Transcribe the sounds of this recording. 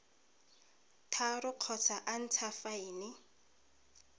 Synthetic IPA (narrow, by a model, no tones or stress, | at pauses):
tʰarʊq͡χʰɔt͡sʰaʔan̩t͡sʰafaɪnɪ